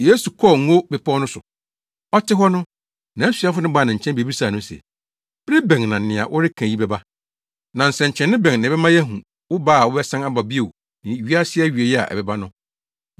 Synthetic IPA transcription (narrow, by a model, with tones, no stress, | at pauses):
jeː˦su˨kʰɔ˦˨ŋ̩˦o˦bɛ˨pʰɔ˦nʊ̃˦sʊ˨ | ɔ˦tɪ˦ɦɔ˦nʊ̃˦ | nã˨˦sɥa˦fʊ˦nɪ̃˦ba˨nã˨ɲ̩˨t͡ɕʰɛ̃˦n˦be˨bi˦saː˨nʊ̃˦sɛ̰˨ | b̥ɾɪ˦bɛ̃˨ŋnã˨n̩˨nɪ̃˨a̰˨ʔʊ˦ɾɪ˦kʰã˨ji˦bɛ˦ba˦ | nã˨n̩˨sɛ˨ɲ̩˨t͡ɕʰɛ̃˨nːɪ̃˦bɛ̃˨ŋnɪ̃˨bɛ˦mã˦jɛ˦ɦũ˨ | wʊ˦baː˦a˨wʊ˦bɛ˦sã˦ŋa˦ba˨bi˦o˨w | nɪ̃˨ɥi˦a˦sɪ˦a˦ɥe˨jɛ˦a̰˨ʔɛ̰˨bɛ˨ba˦nʊ̃˦